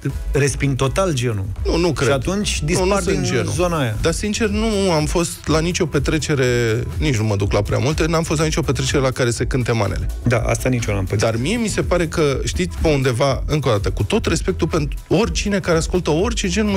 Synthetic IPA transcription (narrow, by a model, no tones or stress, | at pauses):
respiŋɡ̚t̪o̞t̪ald͡ʒe̞nṵnunukɾeat̪unt͡ʃʲd̪inunind͡ʒenuzonaːjad̪asint͡ʃe̞rnuamfo̞st̪lanit͡ʃʲo̞pe̞t̪ɾe̞t͡ʃe̞ɾe̞nit͡ʃnuməd̪uklapɾʲa̰mult̪enamfost̪lanit͡ʃʲo̞pe̞t̪ɾe̞t͡ʃe̞ɾe̞lakaɾe̞sekɨnt̪e̞ma̰ne̞̰le̞d̪a̰ʔa̰st̪anit͡ʃonampəd̪armie̞mise̞paɾe̞kəʃt̪it̪sʲpe̞und̪e̞vaɨŋkod̪at̪əkut̪o̞t̪re̞spe̞k̚t̪upe̞nt̪uo̞rʲt͡ʃine̞kaɾe̞askult̪əo̞rʲt͡ʃe̞d͡ʒe̞nmə